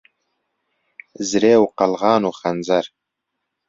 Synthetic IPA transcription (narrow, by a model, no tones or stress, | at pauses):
zɾeːwqɑlʁɑːnuxɐnzɐɾ